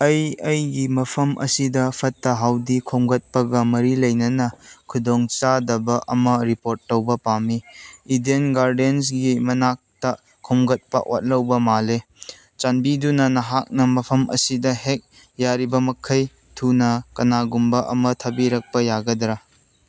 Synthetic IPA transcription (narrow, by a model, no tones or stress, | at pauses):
ɐjɐjɡimɐpʰɐmʔɐ̰sidɐpʰɐtːɐɦawdikʰomɡɐt̚pɐɡɐmɐɾilɐjnɐnɐkʰudoŋt͡ʃadɐbɐʔɐmɐɾipoɾtːɐwbɐpamiːdenɡaɾdens̬ɡimɐnak̚tɐ | kʰːomɡɐt̚pɐ̰ʔo̰t̚lɐwbɐmale | t͡ʃanbidunɐnɐɦak̚nɐmɐpʰɐmɐ̰sidɐɦek̚ | jaɾibɐmɐkʰɐj | tʰunɐkɐnaɡumbɐʔɐmɐtʰɐbiɾɐk̚pɐjaɡɐdɾɐ